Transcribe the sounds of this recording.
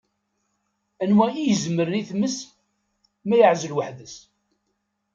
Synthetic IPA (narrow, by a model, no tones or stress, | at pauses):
ænwæijəzməɾəniθməs | mæjəʕzəlwaħðəs